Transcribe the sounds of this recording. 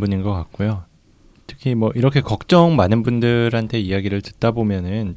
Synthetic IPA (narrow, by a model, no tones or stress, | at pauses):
buɲinɡʌk͈ak̚k͈ojo | tʰɯ̥kʰimwʌʔiɾʌkʰe̞kʌk̚t͡ɕ͈ʌŋmanɯnbundɯɾɦantʰe̞ijaɡiɾɯɭtɯt̚t͈abomjʌnɯn